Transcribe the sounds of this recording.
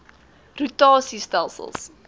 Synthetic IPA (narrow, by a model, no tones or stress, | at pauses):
rutɑːsistælˠsə̰lˠs